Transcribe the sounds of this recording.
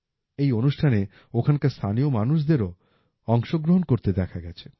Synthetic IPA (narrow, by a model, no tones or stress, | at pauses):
ejonuʃʈʰane | okʰankast̪ʰaniomanuʃ̬d̪eɾo | ɔŋʃoɡɾoɦonkoɾt̪ed̪ɛkʰaɡɛt͡ɕʰe̥